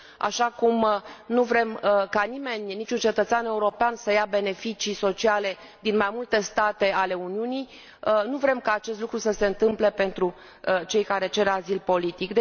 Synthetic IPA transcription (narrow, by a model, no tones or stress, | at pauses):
a̰ʃakumnuvɾe̞mkanime̞nʲnit͡ʃunt͡ʃe̞t̪ət̪sʲane̞uɾo̞peansəjabe̞ne̞fit͡ʃiso̞t͡ʃiale̞ | d̪inmajmult̪e̞st̪at̪e̞ale̞uniunij | nuvɾe̞mkaːt͡ʃe̞st̪lukɾusəse̞ɨnt̪ɨmple̞pe̞nt̪ɾu | t͡ʃe̞jkaɾe̞t͡ʃe̞ɾazilpo̞lit̪ikd̪e